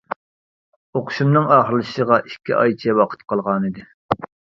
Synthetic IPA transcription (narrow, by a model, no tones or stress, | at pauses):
oqʰʊ̥ʃumnɨŋɑːχəɾlˠɨʃəʁɑʔikʲʰːḭʔɑ̰jt͡ʃʰɛwɑqʰə̥t̪qʰɑlˠʁɑnɨd̪ɪ